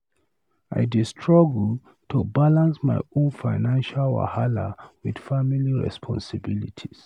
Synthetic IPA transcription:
a̰jdistʰɹɔɡl | tʰubalãnsmaɪõnfaɪnãnʃalwa̰hala̰wid̥familiɹɛ̰spʰɔ̰̃nsɪbilitʰis

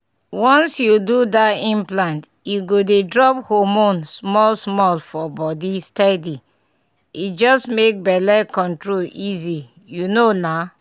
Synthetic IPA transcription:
wɔ̃nsjududaĩmplãnt | juɡodedɹɔp̚homõnsmɔlsmɔlfɔbɔdistɛdi | id͡ʒɔstmek̚bɛlɛkɔ̃ntɹolizi | junona

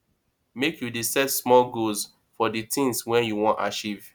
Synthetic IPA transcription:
mekjudisɛtsmɔlɡoz | fɔditʰĩŋswɛ̃njuwɔ̃nta̰t͡ʃiv

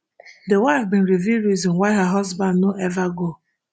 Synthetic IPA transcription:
dewaɪfbĩn̩ɾiviɾizɔ̃nwaɪɦəɦɔzbãndnoʔɛvaɡo

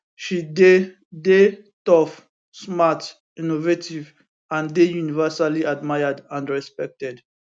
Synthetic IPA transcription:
ʃide | de | tɔf | smat | ĩnovetʰiv | ãndejunivɛsaliadmajadãnɹɛspɛk̚tɛd

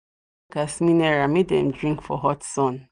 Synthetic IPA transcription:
ɡ̥asmĩnɛɹametdɛ̰̃mdɹĩŋkfɔɦɔtsɔ̃n

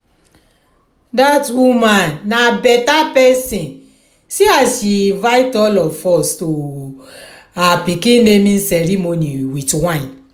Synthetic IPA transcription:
datwumãnːabɛtapɛsĩn | siasʃivajtɔlɔfɔsto | apikĩnnemĩn̩sɛɾimoniwitwãĩn

